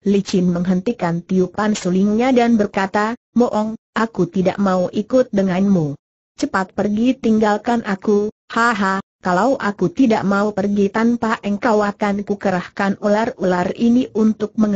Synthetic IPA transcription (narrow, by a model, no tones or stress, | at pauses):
lit͡ʃɪnməŋɦənt̪ikant̪iupansuliŋɲadanbərkat̪a | mɔʔɔŋʔakut̪ida̰ʔmauʔikʊt̪̚dəŋanmu | t͡ʃəpat̪̚pərɡit̪iŋɡalkanʔaku | haɦakalawʔakut̪idaʔmaupərɡit̪anpaʔəŋkawakankukəɾahkanularulariniʔunt̪ʊk̚məŋ